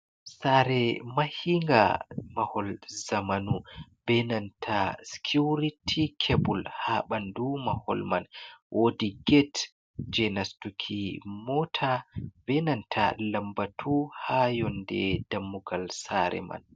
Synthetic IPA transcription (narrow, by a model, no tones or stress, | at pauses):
saɾɛmahiŋɡa̰mahɔlzamanubɛnantʰaskʰuɾitʰikʰebulhaɓandumahɔ̰lmanwʔodiɡɛt | d͡ʒɛnastukʰimɔtʰabɛnantʰalambatʰuhajɔndɛd̥amːuɡalsaɾɛ̰ma̰n